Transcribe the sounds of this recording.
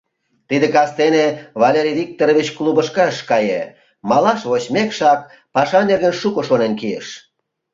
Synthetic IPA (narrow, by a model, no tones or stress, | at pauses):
t̪id̪ekɑst̪eneβɑlʲeɾʲiβʲik̚t̪oɾoβit͡ɕklubəʃkɑʃkɑjḛ | mɑlɑʃβoɕmekʃɑk̚ | pɑʃɑnerɣənʃukoʃonenkiḛʃ